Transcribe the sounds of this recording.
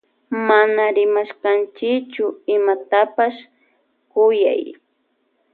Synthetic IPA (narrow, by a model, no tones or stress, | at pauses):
manaɾɪmaʃkant͡ʃɪkt͡ʃʊɪmat̪apaʃ | kʊja̰j